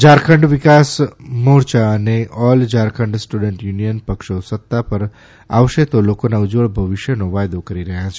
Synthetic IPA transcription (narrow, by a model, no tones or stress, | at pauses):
d͡ʒaːɾkʰə̃ɳɖʋɪkaːsmoːɾt͡ʃaneʔɔːld͡ʒaːɾkʰə̃ɳɖsʈuɖə̃ɳʈjuːnijənpɐkʃosɐt̪ːapɐɾ | a̰ːʋʃet̪oloːkonaʊd͡ʒʋəɭbʱɐʋɪʃjənoʋaːjd̪okɐɾiɾɐɦãt͡ʃʰɛ